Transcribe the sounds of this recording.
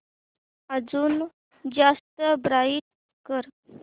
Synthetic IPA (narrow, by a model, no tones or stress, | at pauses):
əd͡zuːn | d͡zast̪əbɾaiʈ̚ | kəɾ